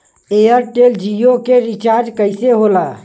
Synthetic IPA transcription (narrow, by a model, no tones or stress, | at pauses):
ejəɾʈeld͡ʒijokeɾit͡ʃaɾd͡ʒkəɪseɦola